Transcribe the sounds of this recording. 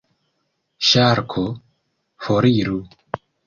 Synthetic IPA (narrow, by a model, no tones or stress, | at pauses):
ʃaːɾkʰo | foɾiːɾu